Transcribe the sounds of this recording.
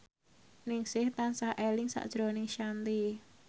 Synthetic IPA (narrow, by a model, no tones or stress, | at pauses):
nɪŋsɪht̪ansahʔelɪŋsa̰ʔd̥ʒ̥ɾonɪŋʃant̪i